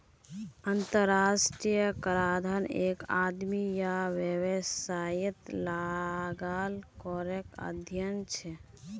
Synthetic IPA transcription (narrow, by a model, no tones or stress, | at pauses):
ənt̪əɾasʈɾijəkəɾad̪ʱəneka̰d̪mijaʋjəwəsajit̪laɡalkɔɾɛka̰d̪ʱjənt͡ʃʰɛ